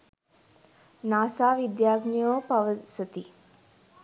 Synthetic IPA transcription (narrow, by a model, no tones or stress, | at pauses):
naːsaːʋid̪jaːɡnijoːpɐʋəsət̪i